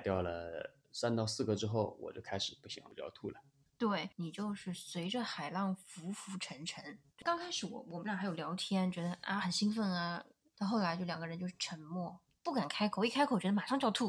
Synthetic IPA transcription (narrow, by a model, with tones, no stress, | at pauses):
ɪt̪jɑ˥˩ʊlə̰˩ | sa˥nt̪ɑ˥˧ʊsɹ̩˥˩ɡə˧˥ʈ͡ʂɻ̩˥xo˥˩ʊwɔ̰˨˩t͡ɕjo˥˧ʊkʰa˥ɪʂɻ̩˨˩pu˥˩ɕḭ˨˩˥wa̰˧˨˩o˥j̰ɑ̰˥˧t̪ʰu˥˩lə˩ | t̪we˥˩ɪni˨˩t͡ɕjo˥˧ʊʂɻ̩˥˩swe˧˥ɪʈ͡ʂə˧xa˨˩ɪlɑ˥˩ŋfu˧˥fu˧˥ʈ͡ʂʰə˧˥nʈ͡ʂʰə˧˥nt͡ɕo˥˩kɑ˥ŋkʰa˥ɪʂɻ̩˨˧˥wɔ̰˧˩wm̩˧˥˩xjo˨˩ljɑ˧˥ʊt̪ʰjɛ˥nt͡ɕɥɛ˧˥d̪ə˧ʔa̰˥˩xə˨˩nɕi˥ŋfə˥˩nɐ˩ | t̪xo˥˩ʊla˧˥ɪt͡ɕjo˥˩ljɑ˨˩ŋɡə˦ɻə˧˥nt͡ɕjo˥˧ʊʂɻ̩˥˩ʈ͡ʂʰə˧˥nmwɔ˥˩ | pu˥˩ka˨˩nkʰa˥ɪkʰo˨˩ʊi˥˩kʰa˥ɪkʰo˨˩t͡ɕɥɛ˧˥d̪ə˧ma˨ʂɑ˥˧t͡ɕt̪ʰu˥˩